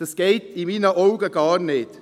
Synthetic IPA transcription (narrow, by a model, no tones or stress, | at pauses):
əsɡ̥eɪt̪ʰiːmiːnəʔɔʊɡəɡɑːɾneːd̪